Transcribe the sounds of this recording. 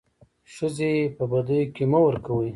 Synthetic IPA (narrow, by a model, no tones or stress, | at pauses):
ʃəzepəbad̪əjokemawəɾkawə